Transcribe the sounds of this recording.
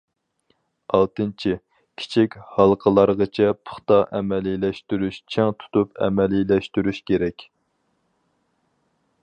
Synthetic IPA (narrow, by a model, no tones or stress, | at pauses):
ɑlˠt̪ɨnt͡ʃʰi | kʲʰi̥t͡ʃʰikʲhɑlˠqʰəlˠɑɾʁət͡ʃʰɛpʰʊ̥χt̪ɑʔɛmɛlilɛʃt̪yɾyʃt͡ʃʰɛŋt̪ʰu̥t̪ʰupɛ̰mɛlilɛʃt̪yɾyʃkʲʰeɾɛkʲ